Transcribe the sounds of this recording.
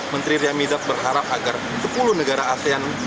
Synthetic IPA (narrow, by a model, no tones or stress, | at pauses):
mənt̪ɾiɾiamidat̪̚bərɦaɾap̚aɡar | səpuluhnəɡaɾaːsean